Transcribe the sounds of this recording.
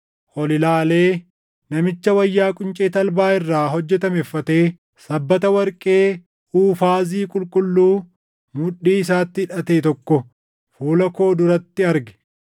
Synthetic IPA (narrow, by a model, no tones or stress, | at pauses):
ʔɔlɪlaːle̞ː | nɐmɪt͡ʃːɐwɐjːaːkʼʊnt͡ʃʼeːt̪ɐlbaːɪrːaːɦɔd͡ʒːɛt̪ɐmɛfːɐt̪e̞ː | sɐbːɐt̪ɐwɐɾkʼe̞ː | uːfaːziːkʼʊlkʼʊlːuː | mʊᶑiːɪsaːt̪ːɪɪᶑɐt̪eːt̪ɔkːɔ | fuːlɐko̞ːd̪ʊɾɐt̪ːɪɐɾɡɛ̥